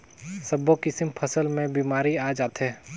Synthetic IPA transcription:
sɐbokɪsɪmpʰɐsəlmẽbiːmaːɾiaːd͡ʒaːt̪ɦɛː

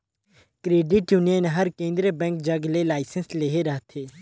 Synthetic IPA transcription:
kɾeːɖɪʈjunijənɦɐɾkẽːnd̪ɾəbɛ̃ːŋkd͡ʒɐɡlelaːɪsənsleːɦeɾɐɦt̪ʰeː

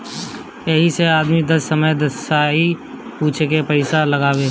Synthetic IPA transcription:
jɛɦiseaːd̪mid̪ɐsːəməjd̪əsaːɦi | puːt͡ʃʰekepəɪsaləɡaːweː

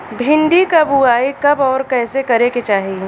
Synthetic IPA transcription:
bʱɪ̃ɳɖikɐbuaːikɐbɔːɾkɛːsekɐɾeket͡ʃaːɦie

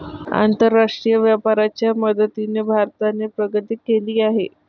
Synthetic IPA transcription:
a̰nt̪əɾːaʂʈɾijəʋjapaɾat͡ɕjaməd̪ət̪inebʱaɾt̪anepɾəɡət̪iːkeliːaɦḛ

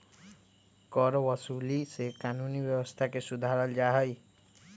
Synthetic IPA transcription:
kɔɾɔbɔsulisekanunibjɔbɔst̪ʰakesud̪ʱaɾɔld͡ʒaɦʌj

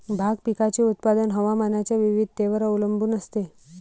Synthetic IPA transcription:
bʱaɡ̚pikat͡ɕeut̪̚pad̪ənɦəʋamanat͡ɕjaʋiʋid̪̚ʱt̪eʋəɾəʋləmbʱuːnəst̪e

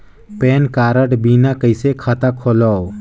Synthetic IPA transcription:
peːnkaːɾəʈbinakəjsekʰat̪akʰolɔw

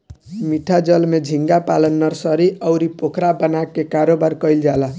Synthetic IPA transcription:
miʈʰad͡ʒʌlmed͡ʒʱiŋɡapalənːʌɾsʌɾiʌwɾipokʰɾabənakekaɾobaɾkʌjld͡ʒala

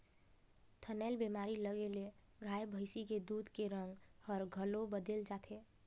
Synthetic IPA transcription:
t̪ʰənɛlbemaːɾiləɡele | ɡʱaːjbʱəɪsiked̪uːd̪ʱkeɾə̃ŋɡhəɾɡʱəlobəd̪eld͡ʒat̪ʰe

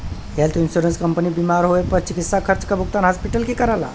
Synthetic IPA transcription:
ɦelt̪insuɾənskəmpənibimaɾɦoepəɾt͡ʃikit̪ːsakʰəɾt͡ʃkəbuk̚t̪anɦaspiʈəlkekəɾala̰

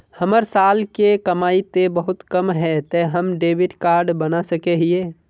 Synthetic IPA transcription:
həməɾsalkekəmait̪ebəɦʊt̪kəmɦɛt̪əɦəmɖeːbiʈkaɾɖbənasəkeɦie

